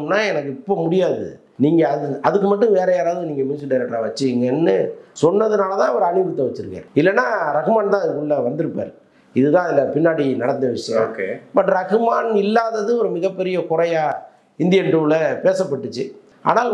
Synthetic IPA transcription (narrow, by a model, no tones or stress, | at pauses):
nːaːɛnɐkːɯɪpːoːmʊɽɪjaːðɯ̰ | niːŋɡɐðɯɐðɯk̬ːɯmɐʈːɯ̃ʋeːɾɐjaːɾaːʋðɯniːŋɡɐmiːsɐɖɐɾɐʈːɾaʋɐt͡ʃːɯɪŋɡɐnːɯsɔnːɐðɯnaːlɐt̪ãːɐʋɐɾɯɐnɪɾɯt̪ːɐʋɐt͡ʃːɯɾɯkɡɐ̰ɪlːɛnːaːɾɐɣɯmaːnt̪ãːɐðɯkːʊɭːɐʋɐnd̪ɯɾɯpːa̰ːɾɯ | ɪðɯðãːɐðɪlːɐpɪnːaːɽinɐɽɐt̪d̪ɐʋɪʂɐjɐ̰̃oːkebɐʈːɾɐɣɯmaːnɪlːaːðɐðɯɔɾɯmɪɣɐpːɛɾɪjɐkʊɾɐjaː | ɪnd̪ɪjɐnʈuːlɐpeːsɐpːɐʈːɯt͡ʃːɯ | a̰ːnaːl